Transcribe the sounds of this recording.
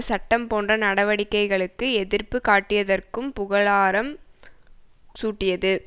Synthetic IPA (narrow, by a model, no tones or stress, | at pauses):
sɐʈːɐmpoːndrɐnɐɽɐʋɐɽɪkːɐɪɣɐɭɯkːɯɛðɪrpɯkaːʈːɪjɐðɐrkɯmpʊɣɐɭaːɾɐm | suːʈːɪjɐðɯ